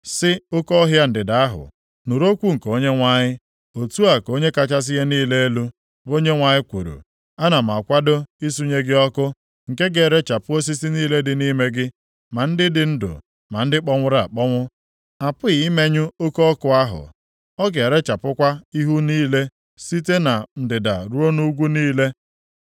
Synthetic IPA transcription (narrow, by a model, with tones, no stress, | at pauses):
sɪ˦o˦kɔ˦ɦja˦n̩˨dɪ˨da˨a˦ɦʊ̰˨ | nu˨ɾo˦kʷu˦ŋ̩˨ko˦ɲe˦ŋʷa˦ɲɪ˦ | o˨tu˦a˨ko˦ɲe˦ka˦t͡ʃa˦s̬ɪ˦ɣe˦niː˦le˦e˦lu˦ | o˦ɲe˦ŋʷa˨ɲɪ˦kʷṵ˨ɾṵ˨ | a˦na˨m̩˨a˨kʷa˦do˦i˦s̬u˦ɲe˦ɡɪ˦ɔ˦kʊ˦ | ŋ̩˨ke˦ɡe˨ɾe˦t͡ʃa˨pʊ˦o˦s̬i˦si˦niː˦le˦dɪ˨ni˦me˦ɡɪ˦ | ma˨n̩˦dɪ˦dɪ˨n̩˦dʊ̰˨ | ma˨n̩˦dɪ˦k͡pɔ˦ŋʷʊ˦ɾa̰˨k͡pɔ˦ŋʷʊ˦ | a˨pʊ˦ɣɪ˨i˦me˦ɲʊ˦o˦ko˦ɔ˦kʊ˨˦a˦ɦʊ̰˨ | ɔ˦ɡe˨ɾe˦t͡ʃa˨pʊ˦kʷa˦i˦ɦu˦niː˦le˦ | si˦te˦na˨n̩˨dɪ˨da̰˨ɾu˦o˦nu˦ɡʷu˦niː˦le˦